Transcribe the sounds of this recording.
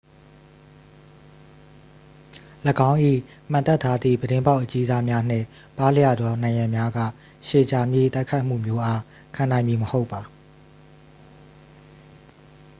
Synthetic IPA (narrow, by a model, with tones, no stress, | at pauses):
ləɡã˦ʊ̃ʔḭ˦˨ | m̥ã˨t̪ɛ˦˨tʰa˦d̪ðḭ˦˨bəɾɪ̃˦mba˦ʊʔət͡ɕi˦za˦mja˦n̥ɪ̰̃˦˨ | pa˦lə˦ja˦˨dɔ˨nã˨ɪ̃jã˨mja˦ɡä̰˦˨ | ʃe˨t͡ɕa˨mjḛ˦˨t̪a˦ɪkʰa˦ɪʔm̥ṵ˦˨mjo˦ʔa˦ | kʰã˨nã˨ɪ̃mbi˨məho˦ʊpːa˨